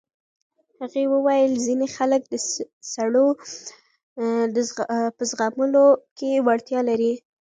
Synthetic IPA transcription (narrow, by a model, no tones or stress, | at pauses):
haɣewəwajəlzinexalək̚d̪ə | saɽo | d̪əpəzɣaməlokewaɽt̪jɑlaɾi